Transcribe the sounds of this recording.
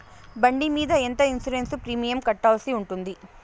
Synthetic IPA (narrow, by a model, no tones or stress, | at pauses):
bɐɳɖimiːd̪ɐent̪ɐinsuɾensupɾiːmijɐmkɐʈːaːlsiuɳʈund̪i